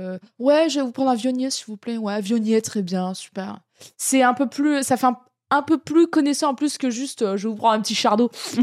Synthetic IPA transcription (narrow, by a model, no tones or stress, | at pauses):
wɛʒevupχɑ̃d̪ʁɛ̃vjɔnjɛsilvuplɛwɛvjɔnjɛt̪χɛbjɛ̃sy̥pɛʁ | sɛɛ̃pøplysafɛɛ̃ | ɛ̃pøplykɔnɛsɑ̃ɑ̃plyskəʒyst̪øʒəvupχɑ̃ɛ̃p̬ət̪iʃaʁd̪o